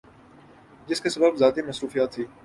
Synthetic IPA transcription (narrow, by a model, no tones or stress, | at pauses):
d͡ʒɪskesɐbəbzaːt̪imɐsɾuːfijaːt̪ʰːiː